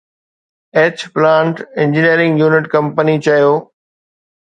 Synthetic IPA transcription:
eːt͡ɕplãːɳʈɪ̃ɲd͡ʑɪniəɾɪ̃ŋɡjuːnɪʈkɐ̃mpənit͡ɕɐjoː

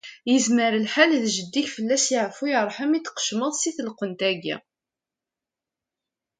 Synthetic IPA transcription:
jəzməɾəlħallʒəd̪ːiçfəlːæsjiʕfujəɾˤħəmit̪ːqə̥ʃməðˤsiθəlqənt̪æɡḭ

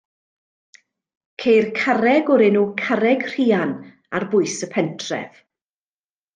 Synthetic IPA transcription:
kʰejrkʰaɾɛɡɔɾɪnuːkʰaɾɛɡr̥iːan | arbʊɨsəpʰɛntʰrɛ̰v̥

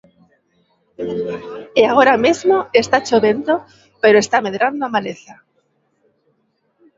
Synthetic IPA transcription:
eaɣ̞oɾamezmoest̪at͡ʃoβent̪o | pe̞ɾoe̞st̪ame̞ðɾand̪oamaleθa

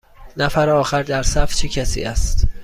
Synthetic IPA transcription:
næfæɾɒːxæɾd̪æɾsæft͡ʃʰecʰæsḭːæst̪

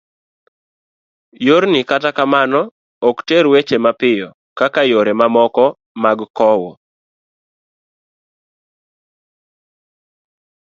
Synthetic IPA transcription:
joɾnɪkatakamanɔ | ɔkteɾwet͡ʃemapɪjɔ | kakajoɾemamɔkɔ | maɡkɔwɔ

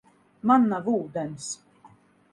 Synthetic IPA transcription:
manːavuːd̪ɛns

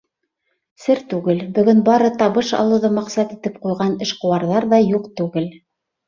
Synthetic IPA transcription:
sɘɾt̪ʉɡɘlbɵ̆ɡɵnbɑɾɤt̪ɑβɤʃɑ̰lˠɤ̆ðɤmɑqsɑt̪it̪ɘp̚qujʁɑnɘ̆ʃqŏwɑɾðɑɾðɑjuqt̪ʉɡɘl

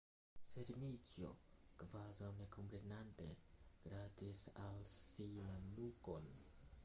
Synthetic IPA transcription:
se̞ɾvit͡sjo̰kvazawne̞kʰo̞mpɾe̞nante̞̰ɡ̥ɾatisalsinnuko̞n

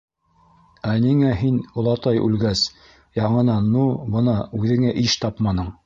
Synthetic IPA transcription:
æniŋæɦinŏlˠɑt̪ɑjʔʉ̰lɡæs | jɑɴɤ̆nɑnːubɤ̆nɑʉðɘ̆ŋæʔiʃt̪ɑpmɑnɤɴ

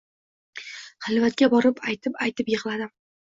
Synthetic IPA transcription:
χɨlˠvat̪̚kʲabɒɾɪpʰajt̪ʰɪpajt̪ʰɪpjɨʁlˠad̪ɪm

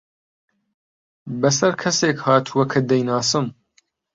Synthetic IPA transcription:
bɐsɐɾkʰɐseːkhaːt̪ʰuwɐkʰɐd̪ɐjnaːsɨm

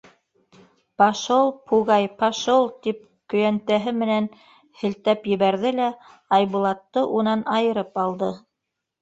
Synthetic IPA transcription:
pɑʃolˠpʰuɣɑjpɑʃolˠt̪ip̚ | kɵ̆jænt̪æɦɘmɘ̆næn | hɘ̆lt̪æpjɘ̆βæɾðɘlæ | ɑjβulˠɑt̪ːɤʔunɑnɑjɤ̆ɾɤpɑlˠd̪ɤ

